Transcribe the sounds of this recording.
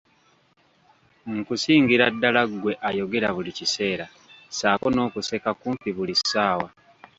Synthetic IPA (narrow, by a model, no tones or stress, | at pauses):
ŋ̩kusiːŋɡiɾadːalaɡwe̞ʔajo̞ɡe̞ɾaβulicise̞ːɾa | saːko̞no̞ːkuse̞kakuːmpiβulisːaːwa